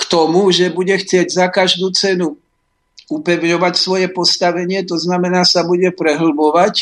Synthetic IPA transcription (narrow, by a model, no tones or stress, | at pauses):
kt̪ɔmuʒɛbuɟɛxt͡sɪɛɟzakaʒd̪uːt͡sɛnu | upɛʋɲɔʋacsʋɔjɛpɔst̪aʋɛɲɪɛt̪ɔznamɛnaːsabuɟɛpɾɛɦl̩bɔʋac